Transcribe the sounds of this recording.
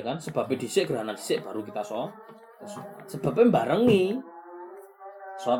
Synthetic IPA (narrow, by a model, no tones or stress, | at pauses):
kansəb̥a̤ped̪̥i̤sɪʔɡ̥əɾaɦanand̥̪i̥sɪʔb̥a̤ɾukit̪asɔ | səb̥a̤p̬embaɾəŋi | sɔ